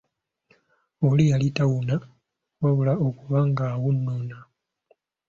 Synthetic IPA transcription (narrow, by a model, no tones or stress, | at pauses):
olijalitawuna | waβulaokuβaŋɡaːwunːona